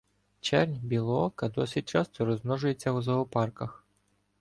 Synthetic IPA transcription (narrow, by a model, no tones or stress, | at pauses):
t͡ʃɛrnʲbʲilˠɔɔkɐd̪ɔsʲɪt̚ʲt͡ʃɑst̪ɔɾɔzmnɔʒʊje̞t͡sʲːɐwʊzˠɐɦɔpɑrkɐx